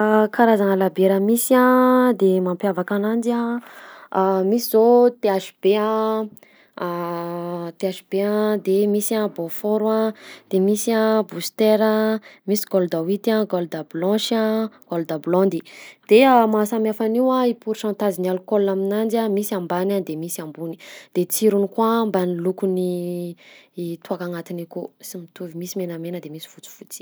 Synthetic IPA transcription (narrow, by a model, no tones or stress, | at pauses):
akaɾazaŋəlabeɾəmisãd̪emampjavakanand͡ʒiã | misizot̪eaʃi̥b̥eã | t̪eaʃib̥eãd̪emisãbofoɾwãd̪̥emisiãbust̪eɾəmisi̥ɡold̪awit̪ãɡold̪ablɔ̃ʃãɡ̥olud̪ablɔ̃nd̪id̪̥eamasamiafaniwaipuɾiʃãnt̪azinalukolaminand͡ʒiamisiambanad̪emisiambuni̥d̪̥et͡siɾunikuambanilukuni | t̪uakaŋat̪inikusimit̪uvimisimenamenəd̪emisi̥fut͡su̥fut͡si̥